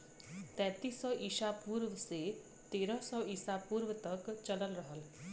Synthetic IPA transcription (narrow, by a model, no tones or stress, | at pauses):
t̪ɛ̃t̪isɔʔisapuɾʋse | t̪eɾɔsɔisapuɾʋət̪ɔkt͡ʃələlɾɔɦəl